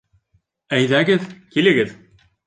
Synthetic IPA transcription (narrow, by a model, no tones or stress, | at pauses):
æjðæɡɘðkʲilɘ̆ɡɘð